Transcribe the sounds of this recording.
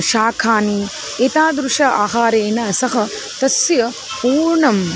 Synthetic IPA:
ʃaːkʰaːni | et̪aːd̪ɾuʂɐʔa̰ːɦaːɾeːnɐsɐɦɐ | t̪ɐsjɐ | puːɾɳɐm

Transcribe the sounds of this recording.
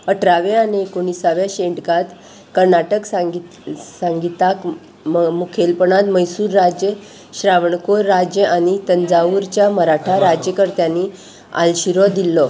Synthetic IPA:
əʈʰɾaʋeaneekoɳisaʋjaɕeɳʈkat̪ | kəɾnaʈəksa | saŋɡit̪ak | mukʰelpəɳat̪məjsuːɾːad͡ʑjə | ɕɾaʋɳkoɾːad͡ʑjəʔaɽ̃it̪ənd͡zauɾt͡ɕjaməɾaʈʰaɾad͡ʑjəkəɾt̪janːi | a̰lɕiɾɔd̪ilːɔ

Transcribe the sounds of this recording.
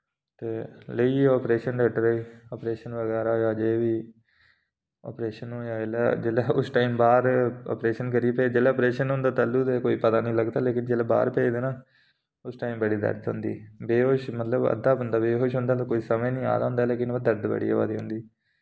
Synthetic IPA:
t̪eːləiːɔːpɾeːʃənɾɛːʈɾəiːɔːpɾeːʃənʋəɡɛːɾaːɦojaːd͡ʒeːʋiː | ɔ̰ːpɾeːʃənoːjaːd͡ʒeːlɛːd͡ʒeːlɛːʊsʈaːiːmbaːɾɔ̰ːpɾeːʃənkəɾiepɛːd͡ʒeːlɛːɔːpɾeːʃənɦõːnd̪aːt̪aːluːd̪eːkoːiːpət̪aːnĩːləɡd̪aːleːkɪnd͡ʒeːlɛːba̰ːɾpɛːd̪eːnaː | ʊsʈaːiːmbəɽiːd̪ə̰ɾd̪ɦʊ̰̃ːnd̪ḭːbeːɦoːʃmət̪ləbə̰d̪aːbənd̪aːbeːɦoːʃɦʊ̃ːnd̪aːt̪akoːiːsəmẽːnĩːa̰ːd̪aːɦʊ̃ːnd̪aːleːkɪnʋəd̪əɾd̪bə̰ɽḭa̰ːʋa̰ːd̪iːɦõːnd̪iː

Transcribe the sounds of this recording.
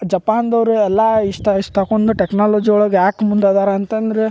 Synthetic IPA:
d͡ʒɐpaːnd̪ɐʋɾuɛlːɐiʂʈ̪aiʂʈ̪akond̪uʈeknaːloːd͡ʒiɡɔɭoɡaːkmund̪ad̪aːɾɐɐnt̪ɐnd̪ɐɾe

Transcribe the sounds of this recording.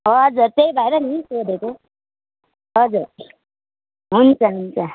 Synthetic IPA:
ɦʌd͡zuɾt̪ejbʱaeɾʌnisod̪ʱet̪o | ɦʌd͡zuɾ | ɦunt͡sʌɦunt͡sʌ

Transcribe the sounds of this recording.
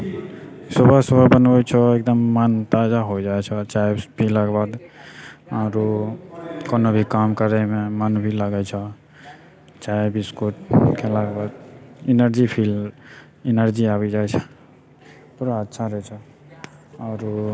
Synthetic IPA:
səbʱəsəbʱəbənbɛt͡ʃʰɔek̚d̪əmːant̪ad͡ʒaɦod͡ʒaɛt͡ʃʰɛt͡ʃaebʱiləɡbad̪ | aɾu | konobʱikamkəɾɛmemanbʱiləɡɛt͡ʃʰə | t͡ʃaebʱiskoʈ̚kelaɡbad̪inəɾd͡ʒipʰil | inəɾd͡ʒiabɛd͡ʒaɛt͡ʃʰɛ | puɾaətːʃʰaɾət͡ʃʰɛ | aːɾ

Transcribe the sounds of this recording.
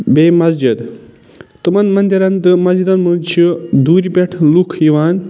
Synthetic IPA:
beːmɐsd͡ʒid̪ | t̪ɨmɐnmɐnd̪iɾɐnt̪ɨmɐzd͡ʒid̪ɐnmɨnt͡ʃʰid̪uːɾipeʈʰlukʰjiʋaːn

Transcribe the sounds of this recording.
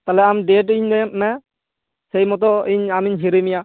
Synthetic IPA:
t̪alɛamɖeʈ̬iɲnɛmɛ | sejmɔt̪̬ɔiɲamiɲɦiɾimija

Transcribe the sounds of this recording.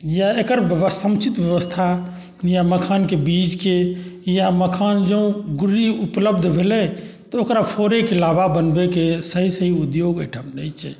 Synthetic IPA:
jaekəɾbəbəsəmt͡ʃʰit̪bjəβəst̪ʰa | jaməkʰankebid͡ʒkejaməkʰand͡ʒəũɡuɾiupləbd̪ʱbʱelɛt̪ɔokɾapʰoɾekelabʱabənbekesəɦisəɦiud̪joɡəjʈʰəmnɛjt͡ʃʰɛ̰

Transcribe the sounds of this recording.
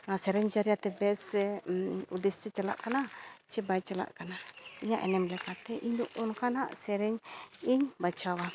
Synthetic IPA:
nasɛɾɛɲd͡ʒaɾiat̪ɛbɛs | ud̪ɛst͡ʃɛt͡ʃala̰ʔkanat͡ʃɛbajt͡ʃəla̰ʔkanaiɲaʔɛ̰nɛmlɛkat̪ɛʔiɲd̪uʔɔnkanaʔsɛɾɛɲiɲbat͡ʃawa

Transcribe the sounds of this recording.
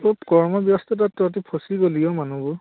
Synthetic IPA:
ɔkɔɹmɔbjɔstɔtatːɔtipʰosiɡoliɔmanubɔ

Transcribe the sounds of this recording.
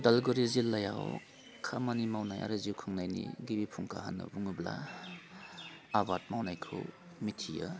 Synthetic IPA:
dalɡuɾizilːaja̰w | kʰamanimawnajʔa̰ɾaziwkʰɯŋnajnḭɡibipʰuŋkʰaɦanɯ̰buŋɯbla̰ | abat̚mawnajkʰɯ̰w | mitʰijɯ

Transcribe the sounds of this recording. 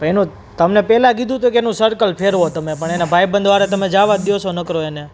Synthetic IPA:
pəenũ | t̪əmnepɛlãk̬id̪ʱũt̪uekenũsəɾkəlpʰeɾɦot̪əmepəɳenabʱajbə̃nd̪ʋaɾat̪əmed͡ʒaʋad̪josonəkɾoene

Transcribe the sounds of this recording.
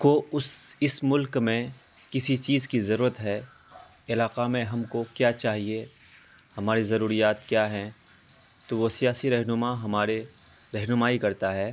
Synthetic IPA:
koʊsɪsmʊlkmẽ | kɪsit͡ʃiːzkizɐɾuːɾət̪ɦɛː | ɪlaːqamẽɦɐmkokjaːt͡ʃaːɦie | hɐmaːɾizɐɾuːɾijaːt̪kjaːɦɛ̃ | t̪oʋosijaːsiɾɐɦnʊmaɦɐmaːɾe | ɾɐɦnʊmaːikɐɾt̪aɦɛː

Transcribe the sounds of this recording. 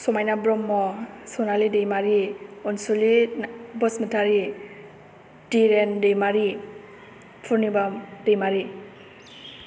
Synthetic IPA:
sɔmajnabɾɔmːɔsɔnalidejmaɾiɔnsulinbɔsmətʰaɾi | diɾendejmaɾi | pʰuɾnibad̥ejmaɾi

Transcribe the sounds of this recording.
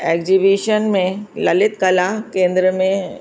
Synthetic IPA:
eːkzibiːʃənmẽlɐlɪt̪kɐlakẽːnd̪ɾəmẽ

